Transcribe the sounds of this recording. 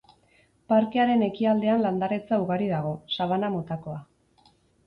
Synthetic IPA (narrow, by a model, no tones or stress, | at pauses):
paɾke̞aɾe̞ne̞kiald̪e̞anland̪aɾet͡sauɣaɾiðaɣ̞o̞saβanamot̪ako̞a